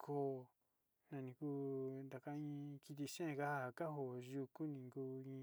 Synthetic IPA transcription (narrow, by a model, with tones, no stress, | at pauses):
kʰo˦˨ | nã˧nĩ˧ku˦nd̪a˨ka˧ĩ˦ki˧t̪̬i˧ʃẽ˦˧ka˦ha˦˧a˨ka˦ɦo˨ʒu˧ku˦nĩ˨ŋɡu˦ĩ˧˦